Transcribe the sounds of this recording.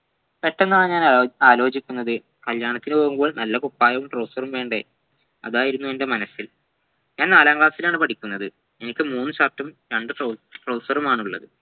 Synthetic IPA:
pe̞ʈːenːaːɳɲaːnaːlo̞ːd͡ʑikʲːunːɐðɨ | kɐljaːɳɐt̪ːinɨpoːɣumbo̞ːɭnɐlːɐkupːaːjɐʋumʈro̞ːsɐrumʋe̞ːɳɖe | ɐ̰ðaːjiɾunːuende̞mɐnɐsːil | ɲaːnnaːlaːŋɡɭaːsilaːɳɨpɐʈikʲːunːɐðɨ | e̞nikʲːɨmuːnːɨɕartːɐmɾeɳɖɨoʈro̞ːsɐrumaːɳuɭːɐ̰ðɨ

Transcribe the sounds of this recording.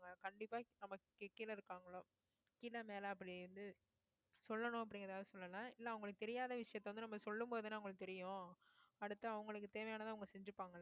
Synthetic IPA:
ŋɡɐkɐɳɖɪpːaːnɐmːɐkːkːiːlɐɪɾɯkːaːŋɡɐɭoː | kiːlɐmeːlɐɐp̬ːɐɽiʋɐnd̪ɯ | sɔlːɐnʊ̃ɐp̬ːɐɽɪŋɡɾɐðaːðɐsɔlːɐlãːɪlːɐɐʋʊŋɡɐɭɯkːɯt̪ɛɾɪjaːðɐʋɪʂɐjɐt̪ːɐʋɐnd̪ɯnɐmːɐsɔlːɯmboːðɯnaːʊŋɡɐɭɯkːɯt̪ɛɾɪjʊ̃ɐɽɯt̪ːɐɐʋɐŋɡɐɭɯkːɯt̪eːʋɐjaːnɐt̪ãːɐʋʊŋɡɐsɛɲd͡ʒɯpːaːŋɡɐl

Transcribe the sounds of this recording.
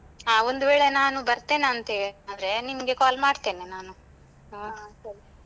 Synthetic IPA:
aːond̪uʋeːɭenaːnubɐɾt̪eːneɐnt̪ɐɦeːɭiaːd̪ɾe̞nimɐɡe̞kaːlmaːɖt̪eːnenaːnuː | ɐkeɭi

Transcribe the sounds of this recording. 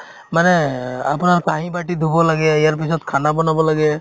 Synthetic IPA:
manɛa̰pnaɹkaɦĩbaʈid̪ʱubɔlaɡɛijaɹpisɔt̪kʰanabɔnabɔlaɡɛ

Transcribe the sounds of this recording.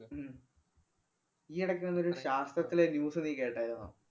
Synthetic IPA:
iːɐɽɐkːeenːoɾuɕaːst̪rɐt̪ːilenjuːsɨniːkːeːʈːaːjiɾna̰ː

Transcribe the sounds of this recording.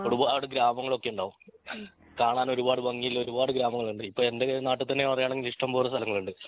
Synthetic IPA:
oɾubaɽeɡɾaːmɐŋːɐɭo̞kːe̞juɳɖaːʋum | kaːɳaːno̞ɾubaːɽɨbɐŋːijilːoɾubaːɽɨɡɾaːmɐŋːɐɭuɳɖɨipːoːɭe̞nde̞naːʈːut̪ːɐnːepɐrɐjaːɳeŋɡiliʂʈɐmboːrɐst̪ʰɐlɐŋːɐɭuɳɖɨ

